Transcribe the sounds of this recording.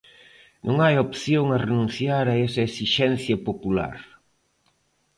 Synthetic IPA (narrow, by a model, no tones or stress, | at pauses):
nʔõŋajopθjoŋɐrenũn̟θjaɾɐesɐesiʃɛnθjɐpopula̰ɾ